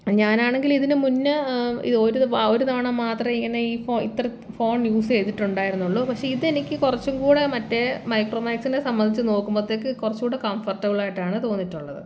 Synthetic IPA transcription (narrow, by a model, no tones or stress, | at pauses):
ɲaːnaːɳe̞ŋɡiliðinɨmunːɐḭðo̞ːɾuoɾut̪aːɳɐmːaːt̪rɐmiŋːɐne̞iːfoːḭt̪ːrɐ | fo̞ːɳjuːse̞jt̪ːiʈːuɳɖaːjiɾunːuɭːoːpɐkʂe̞iðe̞nikʲːɨkurɐt͡ɕːuŋkuːɽemɐtːe̞mɐjkroːmaːksinesɐmbɐnd̪it͡ɕːɨno̞ːkːumbot̪ːeːkːɨkurɐt͡ɕːukuːɽe̞kɐmfɐrʈːɐʋiɭːaːjiʈːaːɳɨt̪o̞ːnːiʈːuɭːɐðɨ̰